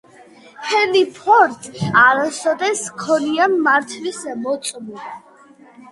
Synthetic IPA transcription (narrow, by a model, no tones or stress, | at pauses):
hɛnipʰɔɾt̪ʼaɾasɔd̪ɛskʰɔniamːaɾt̪ʰlisɛmɔt̪sʼmu